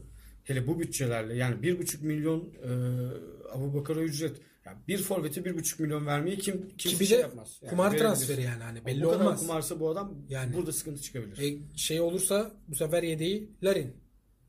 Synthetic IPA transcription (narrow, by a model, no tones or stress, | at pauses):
helʲɛbubyt̪̚t͡ʃʰelʲæɾlʲɛjaːnibiɾbut͡ʃʰukmilʲːjo̞nɯːa̰buːbakʰaɾayd͡ʒɾɛt̪ | ja̰biɾfo̞ɾvet̪ʰibiɾbut͡ʃʰu̥k̚milʲːjo̞nvæɾmejɛcʰimcʰimid̪ɛjapmaz̥kːʰumaɾt̪ɾanfeɾijaːnihanibɛnlːiamaskʰumaɾsɯbuad̪amjaːnbuɾd̪asɨ̥kʰɯnt̪ʰɯt͡ʃʰɯ̥kʰabilʲiɾɛʃejo̞lˠuɾsabusefæɾjed̪ejilʲaɾin